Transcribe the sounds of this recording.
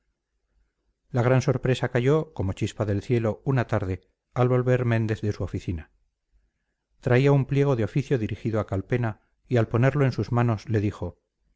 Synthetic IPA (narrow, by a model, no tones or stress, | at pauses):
laɣ̞ɾanso̞ɾpɾe̞sakaʝo̞ko̞mo̞t͡ʃispaðe̞lθje̞lo̞unat̪aɾð̞e̞ | alβo̞lβe̞ɾmẽ̞nd̪e̞θðe̞suofiθina | t̪ɾaiaumplje̞ɣ̞o̞ðeo̞fiθjo̞ðiɾixiðoakalpe̞na | ialpo̞ne̞ɾlo̞e̞nsuzmano̞sle̞ðixo̞